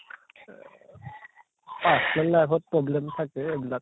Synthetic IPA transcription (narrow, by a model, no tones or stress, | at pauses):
pasnɔnlajbʰɔt̚pɹɔblɛmtʰakɛebilak̚